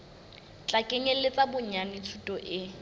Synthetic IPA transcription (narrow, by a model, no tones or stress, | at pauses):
t͡ɬʼakʼeɲɛlɪt͡sʼabʊɲanɪt͡sʰutʼɔʔɪ